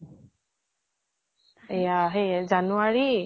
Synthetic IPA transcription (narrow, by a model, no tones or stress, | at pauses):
ejaɦezanuwaɹi